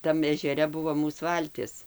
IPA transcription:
ˈtɐm ɛʒʲɛˈrʲɛ ˈbʊʋoː ˈmuːs ˈʋɐlʲtʲɪs

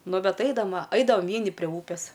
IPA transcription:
ˈnʊ ˈbʲɛt ˈɐɪdɐm ʋɐ ˈɐɪdɐʋɐm ˈʋʲiɛnʲɪ pʲrʲiɛ ˈuːpʲeːs

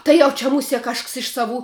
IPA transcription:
ˈtɐɪ jɛʊ t͡ʃʲɛ mʊˈsʲiɛ ˈkɐʃks ɪʃ sɐˈʋuː

